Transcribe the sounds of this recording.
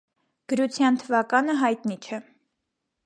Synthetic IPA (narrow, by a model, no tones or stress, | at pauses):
ɡ̥əɾut͡sʰjɑnt̪ʰəvɑkɑnəɦɑjt̪nit͡ʃʰɛ